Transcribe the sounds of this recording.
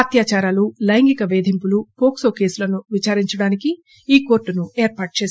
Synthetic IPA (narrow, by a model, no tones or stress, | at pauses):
ɐt̪jaːt͡ʃaːɾaːlulɐjɐŋɡikɐʋeːd̪ʱimpulupoːkso̞ːke̞ːsulɐnuʋit͡ʃaːɾiɲt͡ʃɐɽaːniki | iːko̞ːɾʈːunueːɾpaːʈ̚t͡ʃeːs